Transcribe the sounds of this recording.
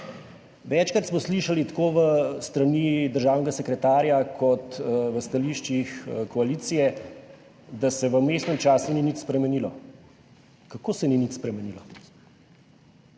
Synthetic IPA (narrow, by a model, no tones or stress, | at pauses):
ʋɛt͡ʃkɾat̪smɔsliʃalit̪ḁkoːʋəst̪ɾanid̪əɾʒaːwnɛɡasɛkɾɛt̪aːɾjakʰɔt̪ʋəst̪aliʃt͡ʃixkɔaliːt̪sijɛ | d̪asɛʋəmest̪nɛmt͡ʃaːsuninit̪spɾɛmɛnilɔ | kakoːsɛninit̪spɾɛmɛnilɔ